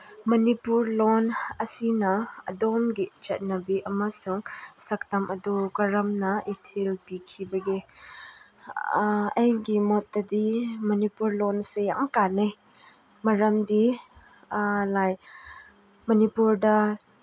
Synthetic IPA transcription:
mɐnipuɾlonɐsinɐɐ̰domɡit͡ʃɐt̚nɐbiʔɐmɐsuŋsɐk̚tɐmɐdukɐɾɐmnɐitʰelpikʰibɐɡi | ɐjɡimot̚dɐdimɐnipuɾlonseja̰ŋkanej | mɐɾɐmdi | laj | mɐnipuɾdɐ

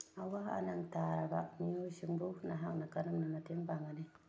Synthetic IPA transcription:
awaa̰naŋtaɾaba̰mioʃiŋbunaɦaŋnakanumnamatembaŋani

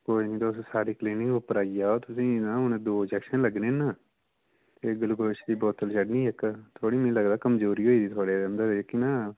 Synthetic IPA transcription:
koːinĩːt̪aʊssaːɾiːkliːnɪŋkəpəɾaːiːaːoːt̪ʊsĩːnãːʊned̪oːd͡ʒɛːkʃə̃nləɡnẽːnaː | t̪eːɡəlɡəlʃd̪iːbɔːt̪ːəlt͡ʃəɖnĩːɪkt̪ʰoːɽiːmĩːləɡd̪aːkəmd͡ʒoːɾiːɦoːiːd̪iːt̪ʰaːɽeːd̪ɛmd̪ad̪ekːɪnãː

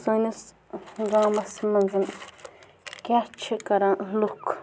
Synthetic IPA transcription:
sõnes | ɡãmãsmãnzĩm | kʲat͡ʃʰekaɾãluk

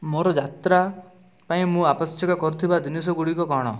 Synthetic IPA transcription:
moɾɔd͡ʒat̪ɾa | paĩmũapɔsjɔkakɔɾut̪ʰibad̪inis̬ɔɡuɽikɔkɔɽ̃ɔ̰

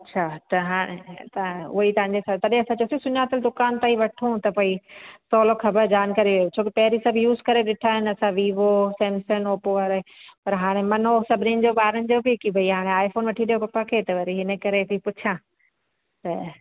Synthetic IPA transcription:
ɐtːɕʰat̪ɐɦaːɽ̃ḛt̪ɐʊ̰ɦit̪ɐ̃ʋãɲd͡ʑesɐt̪ɐɗẽɐsãt͡ɕoːsiosʊnaːt̪əld̪ʊkaːnt̪aːiʋɐʈʰũt̪ɐpoːisɔːlokʰɐbəɾd͡ʑaːnkaːɾiʋɐjot͡ɕʰoːkɪpɐɦɪɾisɐbʱjuːzkɐɾeɗɪʈʰaːɦɪnɪ̆ɐsãʋiːʋosɛ̃ːmsənoːpoʋəɾpɐɾɦaːɽ̃emɐnosɐbʱɪninɪ̆d͡ʑoːɓaːɾəñɪ̆d͡ʑoːbɪkibɐiɦaːɽ̃eaːɪfoːnʋɐʈʰiɗijopɐpakʰeːt̪ɐʋɐɾiɦɪnəkɐɾebʱipʊt͡ɕʰã | t̪ɐ

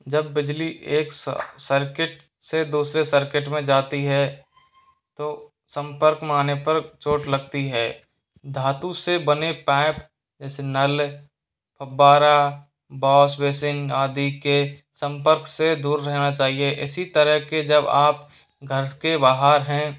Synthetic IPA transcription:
d͡ʒɐbːɪd͡ʒliʔeːksəɾkɪʈ | sed̪uːsɾesəɾkɪʈmẽd͡ʒaːt̪iɦɛ | t̪oː | sə̃mpəɾkmaːnepɐɾt͡ʃoːʈlɐɡt̪iɦɛː | d̪ʱaːt̪ũsebɐnepɛ̃ːp | d͡ʒɛːsenəl | pʰɐbːaːɾa | bɔːsweːsɪnaːd̪ike | sə̃mpəɾksed̪uːɾːɛɦnat͡ʃaːɦieʔɪsit̪əɾəɦked͡ʒɐbaːp | ɡʱɐɾkebaːɦaːɾɦɛ̃

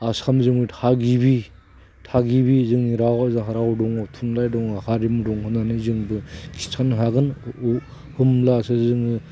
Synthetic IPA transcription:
asamzɯŋɯtʰaɡibi | tʰaɡibizɯŋniɾawazɯŋɦaɾawdɔŋatʰunlajdɔŋahaɾimudɔŋɦɯnanizɯŋbɯkʰi̥sʰanɦaɡɯn | hɯmlaːsazɯŋi

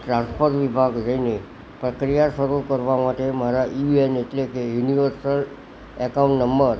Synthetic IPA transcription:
ʈɾãnspʰoɾʋibʱaɡɾəine | pɾəkɾijaʃəɾukəɾʋamaʈemaɾaʔieneʈlekejuniʋəɾsəl | ekaũɳʈnəmbəɾ

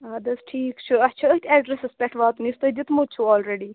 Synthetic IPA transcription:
aːd̪ɐsʈʰiːkt͡ʃʰuɐt͡ʃʰɐət̪ʰʲɛːɖɾesɪspʲɛʈʰʋaːt̪mist̪ɐd͡ʒɪt̪mut͡ʃʰuɔːlɾeɖiː

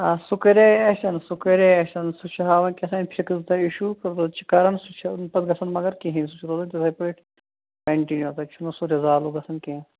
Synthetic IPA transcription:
asukɐɾeɐʃɐnsukɐɾeɐʃɐnsut͡ʃʰɐɦaːʋɐnkesɐːnpʰikzd̪ɐiʃukɐt̪ɐt͡ʃʰi̥kɐɾɐnsut͡ʃʰɐnpɐt̪ɡɐsɐnmɐɡɐɾkeɦĩns̬ut͡ʃʰɾoːd̪ɐnt̪ɐsɐpɐʈʰ | pɐɳʈinjot̪ɐt͡ʃʰunosuɾezaːluɡɐsʰɐnkẽ

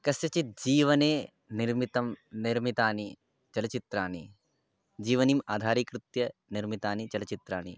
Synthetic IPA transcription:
kɐsjɐt͡ʃit̪̚d͡ʒiːʋɐneː | niɾmit̪ɐmniɾmit̪aːni | t͡ʃɐlɐt͡ʃit̪ɾaːni | d͡ʒiːʋɐnimaːd̪ʱaːɾikɾut̪jɐniɾmit̪aːnit͡ʃɐlɐt͡ʃit̪ɾaːnḭ

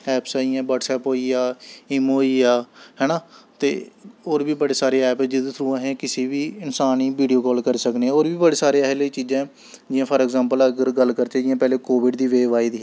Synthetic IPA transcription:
ɛːpsaːiãːbɔːʈsɛːpɦoːiːaːɪmoːiːaːɦɛːnaːt̪ḛːoːɾbiːbəɽeːsaːɾeːɛːpɛːd͡ʒɪd̪sʰɾuːãːɦɛ̃ːkɪsiːbiːɪnsaːniːʋiːɖijoːkɔːlkəɾisəkneɛ̃ːoːɾbiːbəɽeːsaːɾeːɛɦleit͡ʃiːd͡ʒãː | d͡ʒɪãːpʰəɾɛɡzãːmpələɡəɾɡəlkəɾt͡ʃaːd͡ʒɪjãːpɛːleːkoːʋɪɖd̪iːʋeːʋaːɪd̪ɦɛː

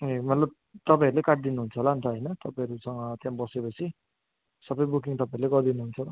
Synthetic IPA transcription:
emʌt̪lʌb̚ | t̪ʌpãj̃ʌɾulekaʈ̚d̪inuɦunt͡sʰʌlant̪ʰʌɦʌjnʌt̪ʌpãʌɾusʌŋʌt̪jãbʌsepʌt͡sʰi | sʌbʌjbukiŋt̪ʌpãĩʌɾuleɡʌrd̪inuɦunt͡sʰʌ

